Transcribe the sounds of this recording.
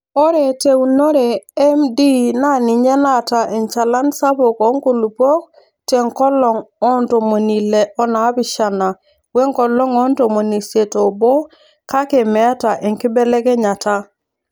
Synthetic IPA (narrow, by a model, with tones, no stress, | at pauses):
ɔ˦ɾe˨te˨˦u˨no˦ɾe˨ɛ˦mdi˦na˦˨ni˨ɲe˦na˦˨ta˨ʔe˨ɲt͡ʃa˨la˦nsa˦bo˨kɔ˨˦ŋ˦ku˨lu˨po˦k̚ | tɛ˨ŋ˨kɔ˦lɔ˨ŋɔ˦nto˨mo˨ni˨le˨ɔ˦na˨˦bi˨ʃa˨na˨ | we˦ŋkɔ˨lɔ˦ŋɔ˦n˦to˨mo˨ni˨se˨to˨bo˦ | ka˦ke˨mɛ˨a˦ta˨ʔe˨ŋki˦bɛ˦lɛ˦kɛ˦ɲa˨ta˦